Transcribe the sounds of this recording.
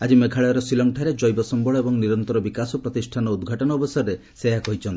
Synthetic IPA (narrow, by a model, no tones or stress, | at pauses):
ad͡ʒimekʰaɭɔjɔɾɔsilɔŋʈʰaɾed͡ʒɔjbɔsɔmbɔɭɔebɔŋniɾɔnt̪ɔɾɔbikasɔpɾɔt̪isʈʰanɔud̪ɡʱaʈɔnɔːbɔsɔɾɔɾe | seɦakɔɦit͡ʃʰɔnt̪i